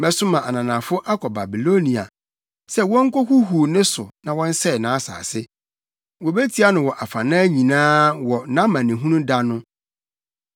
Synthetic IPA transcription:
mɛ˨sʊ˦mã˨ʔa˨nã˨nã˨fʊ˦ʔa˦kʰɔ˨ba˨bi˨lo˦nĩ˨a̰˨ | sɛ˦wɔ̃˦ŋ̩˦ko˦hu˦ɦu˨nɪ̃˦sʊ˨nã˨wɔ̃˦n̩˦sɛ˦˨nãː˨˦sa̰ː˨sɪ˦ | wo˨be˦tʰi˨˦a˦nʊ̃˨wɔ˨ʔa˨fa˨nãː˦ɲĩ˨nãː˦wɔ˨nã˦mã˨nɪ̃˨ɦũ˦nũ˦da˦nʊ̃˦

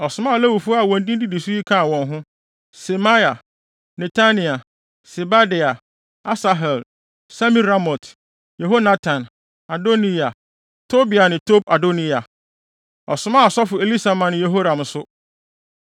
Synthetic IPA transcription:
ɔ˨sʊ˨mã˦a˨lɛ˦wu˨fʊ˦a˨wɔ̃˨n˦dĩ˦di˦di˨sʊ˦ji˦kʰã˦˨wɔ̃˨nɦʊ̃˦ | sɛ˨ma˦ja˨ | nɛ˨tʰa˦nĩ˨a˨ | sɛ˨ba˦dɪ˨a˨ | a˦sa˨ɦɛ˨l | sa˦mĩ˦ɾa˦mɔ˨t | je˨ɦo˦nã˦tʰã˨n | a˨do˦nĩ˦a˨ | tʰo˦bi˨a˨nɪ̃˨tʰo˦b̚a˨do˦ni˦a˨ | ɔ˨sʊ˦mã˦˨ɔ˨sɔ˦fʊ˨e˨li˦sa˨mã˨n˨je˨ɦo˦ɾã˨m˨sʊ˦

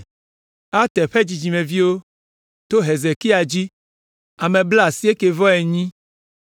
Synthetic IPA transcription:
a˦t̪ɛ˨ɸe˦d͡ʑi˨d͡ʒi˨mẽ˨vi˦wo˦ | t̪o˦ɦe˨ze˨ki˦a˨d͡ʑi˦ | a˨mẽ˨blsi˦e˦ke˨vɔ˦e˨ɲĩ˦

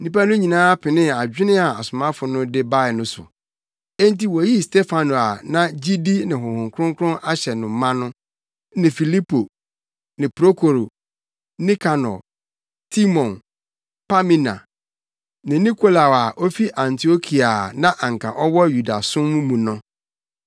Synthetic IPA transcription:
nĩ˦pa˦nʊ̃˦ɲĩ˨nãː˦a˦pʰɪ˨nɪ̃˦a˨d͡ʑᶣɪ˦nɪ̃˦a˨a˨sʊ˨mã˦fʊ˨nʊ̃˦dɪ˦ba˦ɪ˨nʊ̃˦sʊ̰˨ | ɛ˦n˦ti˨wɔ˨ji˦stɛ˦fa˨no˨a˨nã˦d͡ʑi˦di˦nɪ̃˨ɦʊ̃˨hʊ̃˨ŋkʰɾʊ̃˦ŋ˦kʰʊ˦ɾʊ̃˦ʔa˦ɕɛ˨nʊ̃˨˦mã˦nʊ̃˦ | nɪ̃˨fi˨li˦pʰo˨ | nɪ̃˨pɾo˦kʰo˨ɾo˨ | nĩ˦kʰa˨nɔ̰˨ | tʰi˦mɔ̃˨n | pa˦mĩ˦nã̰˨ | nɪ̃˨nĩ˦kʰo˦la˨wa˨ʔo˦fi˦ʔã˨ntʰi˨o˦kʰi˨a˨nã˦ʔã˨ŋ˨kʰã̰˨ʔɔ˦wɔ˦ju˨da̰˨sʊ̃˦mũ˦mũ˨nʊ̃˦

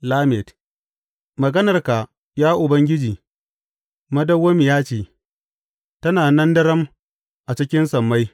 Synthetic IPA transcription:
laː˦mɛ˨t | mɐ˨ɡɐ˦nɐ˨rka˨ | jaː˦ʔʊ˨bɐ˦ŋɡʲɪ˦d͡ʒiː˨ | mɐ˦dɐ˦wːɐ˦mi˨jaː˦t͡ʃeː˨ | tɐ˦naː˨nɐ˦ndɐ˦ɾɐ˦m | ʔa˨t͡ʃɪ˦kʲɪ˦nsɐ˨mːa˦j

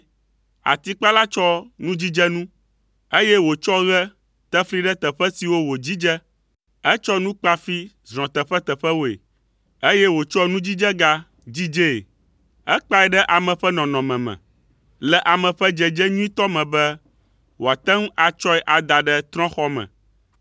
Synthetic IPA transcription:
a̰˨t̪i˦k͡pa˦la˦t͡ʃɔ˦nũ˦d͡ʑi˦d͡ʒɛ˦nũ˦ | e˦jɛ˦wo˨t͡ʃɔ˦ɣɛ˦ | t̪ɛ˦fli˦ɖɛ˦t̪ɛ˨ɸɛ˦si˨wo˦wo˨d͡ʑi˦d͡ʒɛ˦ | ɛ˦t͡ʃɔ˦nũ˦k͡pa˦fi˦ | zɾ̃ɔ̃˨t̪ɛ˨ɸɛ˦t̪ɛ˨ɸɛ˦wo˦˨ḛ˨ | e˦jɛ˦wo˨t͡ʃɔ˦nũ˦d͡ʑi˦d͡ʒɛ˦ɡa˦ | d͡ʑi˦d͡ʒe˦˨ | ɛ˦k͡pa˦ɛ˨ɖɛ˦ʔa˨mɛ̃˨ɸɛ˦nɔ̃˨nɔ̃˨mɛ̃˨mɛ̰̃˨ | lɛ˨ʔa˨mɛ̃˨ɸɛ˦d͡ʒɛ˨d͡ʒɛ˦ɲũ˦ĩ˦t̪ɔ˦mɛ̃˨bɛ˦ | wo˨a˨t̪ɛ˦ŋ˦a˨t͡ʃɔ˦ɛ˦ʔa˨d̪a˨ɖɛ˦t̪ɾɔ̃˦xɔ˦mɛ̰̃˨

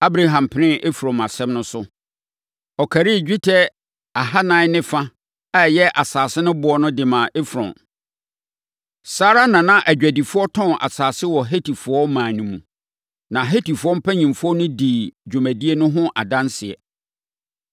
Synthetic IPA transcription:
a˦bɾa˨ɦã˨mpʰɪ˨nɪ̃˦ʔe˦fu˨ɾɔ̃˨ma˨sɛ̃˦mnʊ̃˦sʊ˦ | ɔ˨kʰæ˨ɾi˦˨d͡ʑᶣi˦tʰɛ˦ | a˨ɦa˦nã˨˦nɪ̃˦fa˦ | a˦˨jɛ˦ʔa˨saː˨sɪ˦nʊ̃˦bʊ˨˦ɔ˦nʊ̃˦dɪ˨mã˨ʔe˦fɾɔ̰̃˨n | saː˦ɾa˦nã˨nã˦ʔæ˨d͡ʑᶣæ˨di˨fʊ˦ɔ˦tʰɔ̃˦ʔa̰˨saː˨sɪ˦wɔ˨ɦe˦tʰi˨fʊ˨ɔ˦mãː˨nĩ˨mũ˨ | nã˨ɦe˦ti˨fʊ˨˦ɔ˦m̩˦pʰæ˦ɲĩ˨mfɔ˦nʊ̃˦di˨d͡ʑᶣo˨mæ˨di˦e˦nʊ̃˦ɦʊ̃˦ʔa̰˨dã˦nsɪ˨ɛ̰˨

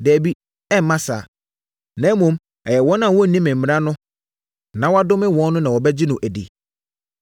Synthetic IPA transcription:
dɛ˨æ˨bi˦ | ɛ˦m̩˨mã˦sa̰ː˨ | nã˨˦mõ˨˦m | ɛ˨jɛ˨wɔ̃˦nã˦˨wɔ˦˨nĩ˦mɪ̃˨m̩˨m̃˨ɾã˦nʊ̃˦ | nã˨wa˦dʊ˦mɪ̃˦wɔ̃˦nː˦ʊ̃˦nã˨wɔ˨bɛ˦d͡ʑɪ˦nʊ̃˨ʔæ˨dḭ˨

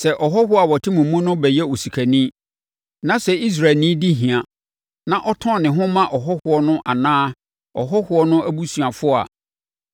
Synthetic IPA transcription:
sɛ˨ʔɔ˨ɦɔ˦hʊ˦a˨wɔ˨tʰɪ˦mũ˨mːʊ̃˦nʊ̃˦bɛ˨jɛ˦o˨si˨kʰæ˨nĩ˦ | nã˦sɛ˨i˦s̬ɾa˨nĩ˦di˦ɦĩ˨a˨ | nã˦ʔɔ˦tʰɔ̃˦˨nɪ̃˨ɦʊ̃˦mã˦ʔɔ˨ɦɔ˦hʊ˨ɔ˦nʊ̃˦ʔa˨nãː˦ | ɔ̰˨ɦɔ˦hʊ˨˦ɔ˦nʊ̃˦ʔæ˦bu˦su˨a˨fʊ˦a̰˨

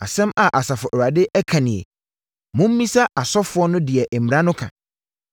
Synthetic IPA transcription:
a̰˨sɛ̃˦ma˨ʔa˨sa˨fʊ˨ʔɔ˨ɾa˨dɪ˦ʔɛ˦kʰã˨nɪ̃˨ɛ̰˨ | mʊ̃˦m̩ː˦ĩ˦sa˦ʔa˨sɔ˦fʊ˨˦ɔ˦nʊ̃˦dɪ˨ɛ˨ʔm˨ɾã˦nʊ̃˦kʰã̰˨

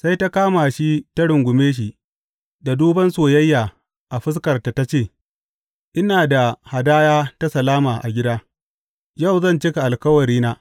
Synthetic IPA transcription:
sa˦jta˦kaː˦ma˨ʃi˦ta˦ɽʊ˨ŋɡʷʊ˨meː˦ʃ̬i˨ | da˨duː˦bɐ˦nsoː˨jɐ˦jːaː˨ | ʔa˨ɸɪ˦skɐ˨rta˨ta˦t͡ʃeː˦˨ | ʔɪ˦naː˨da˨ha˨daː˦jaː˦ta˦sɐ˨laː˦maː˨ʔa̰˨ɡʲɪ˦daː˦ | ja˦˨wzɐ˦˨nt͡ʃɪ˦ka˨ʔa˨lkɐ˦wɐ˨ɾiː˦naː˦

